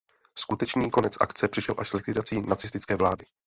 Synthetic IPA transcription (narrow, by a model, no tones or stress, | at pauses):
skut̪ɛt͡ʃniːko̞nɛt͡sʔa̰kt͡sɛpr̥ɪʃɛlʔaʃzlɪkvɪdat͡siːnat͡sɪst̪ɪt͡sskɛːvlaːdɪ